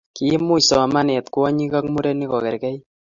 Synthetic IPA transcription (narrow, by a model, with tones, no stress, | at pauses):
ki˦mu˦sɔ˨ma˦ne˨t̪kwɔ˦ɲi˦ka˦kmu˦ɾɛni˦kɔ˨kɛ˨ɾkɛ˦j